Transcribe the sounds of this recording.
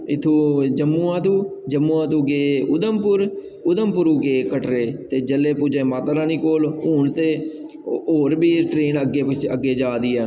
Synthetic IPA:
ɪt̪ʰːũːd͡ʒəmːũːãːt̪ũːd͡ʒəmːũːãːt̪ũːɡeːʊd̪əmpʊɾ | ʊd̪əmpʊɾuːɡeːkəʈɾeːt̪eːd͡ʒəleːpʊd͡ʒẽːmaːt̪ːɾãːniːkoːluːɳt̪eː | oːɾbiːʈɾeːnəɡeːə̰ɡːeːd͡ʒaːd̪iːɛː

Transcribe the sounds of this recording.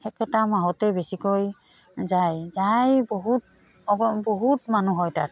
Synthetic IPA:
ɛkɛtamaɦɔtɛbesikoj | zajzajbɔɦut̚ | ɔbɔɦutmanuɦɔjta̰k̚

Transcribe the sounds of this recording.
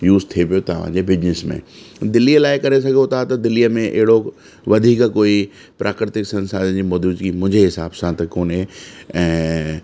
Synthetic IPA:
juːzt̪ʰiepijot̪ɐʋ̤ã̰d͡ʑebɪd͡ʑnɪsmḛ̃d̪ɪlijəlaːɪkɐɾesɐɡʱot̪ʰat̪ɐd̪ɪlijəmẽʔɪ̰ɦɪɽo | ʋɐd̪ʱiːkkoːi | pɾʔaːkɾɪt̪ɪksɐ̃nsaːd̪d͡ʑiːmod̪uːzɡimʊ̃ɦɪ̃ɲd͡ʑeɦɪsaːbsãt̪ɐkoːnẽɛ̃ː

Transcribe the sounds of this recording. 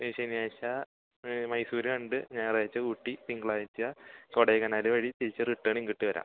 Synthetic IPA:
iiʂɐnijaːɕɐ | mɐjsuːɾɐɐɳɖɨɲaːnraːjit͡ɕːɐuʈːipiŋɡɐɭaːjit͡ɕːɐkoɽeːɣɐnaːlɨʋɐɻit̪iɾit͡ɕːɐriʈːɐːɳiŋkiʈːiʋɐɾa̰ːm

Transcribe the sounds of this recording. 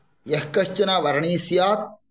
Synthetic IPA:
jɐɦkɐʃt͡ʃɐnaːʋɐɾɳiːsjaːk̚

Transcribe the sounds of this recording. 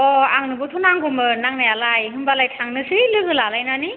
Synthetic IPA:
ɔaŋnɯbɔtʰɔnaŋɡɔmɯnaŋnajalajɦɯnbalajtʰaŋnɯsilɯɡɯlalajnani

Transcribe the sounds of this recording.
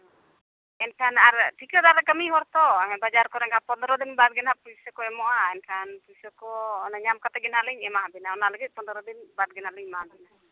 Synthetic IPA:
ɛnkʰanaɾʈʰikɾɔd̪aɾakəmiɦɔɾt̪ɔɦɛ̃bad͡ʒaɾkɔɾɛŋkʰapɔnd̪ɾɔd̪inbad̪̚ɡɛnapusɔkɔɛmɔwaɛnkʰanpusɔkɔnɲamkat̪ɛɡɛnɦaliɲɛmaɦbɛnaɔnaləɡit̪̚pɔnd̪ɾɔd̪inbad̪̚ɡɛnaliɲmaɦbɛna

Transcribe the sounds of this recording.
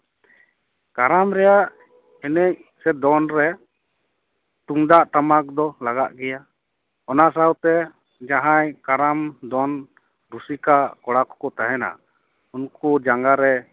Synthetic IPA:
kaɾamɾɛjaʔ | ɛnɛc̚sɛd̪ɔnɾɛ | t̪uŋd̪aʔt̪amak̚d̪ɔlaɡaʔɡɛja | ɔnaʔsawt̪ɛ | d͡ʒaɦajkaɾamd̪ɔn | ɾusikakɔɽakɔ̥kɔt̪aɦɛna̰ | unkud͡ʒaŋɡaɾɛ

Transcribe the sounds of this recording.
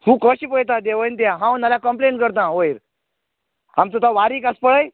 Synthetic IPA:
hũːkəɕiːpəjt̪̬ad̪eʋəjnt̪jaɦãwnalakəmpleɳʈkəɾt̪ãɦojɾ | amt̪ət̪aʋaɾiːkaspəɭəj

